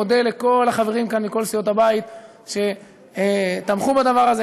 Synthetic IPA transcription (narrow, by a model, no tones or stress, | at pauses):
od̪eleko̞laχave̞ʁimkanmiko̞lsijo̞t̪habait̪ | ʃe̞ | t̪amχubad̪avaʁaze